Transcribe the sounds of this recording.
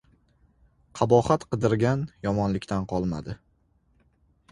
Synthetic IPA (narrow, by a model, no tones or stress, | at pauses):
qʰɑbɒχat̪qɨd̪ɪɾɡʲanjɒmɒnlɪkʲt̪ʰanqʰɒlˠma̰d̪ɪ